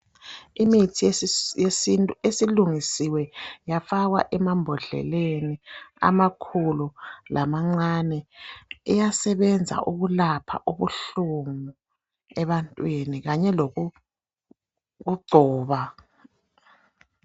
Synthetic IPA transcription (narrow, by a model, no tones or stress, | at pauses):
imitʰijesitʼesiluŋisiwɛjafaɣwaʔɛmambʱɔɮɛ̰lenia̰makʰululʔamaŋ͡ǀanɛijasɛβɛnd͡zʱa̰ʔuɣulapʰa̰ʔuβuɬuŋu | ɛβantʼwiniɣaɲɛloɣu | ɣuɡ͡ǀʱɔːβa